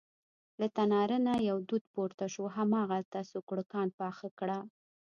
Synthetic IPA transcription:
lat̪anɑɾənajawd̪ud̪poɾt̪aʃoɦamɑɣalt̪asʊkɽəkɑnpɑxakɽa

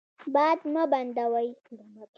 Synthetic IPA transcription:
baːd̪mɐbɐnd̪ɐwajd̪amɐk

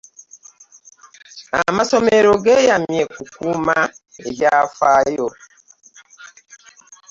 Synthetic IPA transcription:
a̰masɔmeɾoɡɛjamjɛkukumaeɡafajɔ

